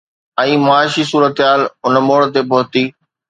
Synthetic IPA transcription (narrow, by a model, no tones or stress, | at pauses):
ɛ̃ːmʊaːʃisuːɾət̪ɦaːlʊnəmoːɽt̪epɐɦʊt̪iː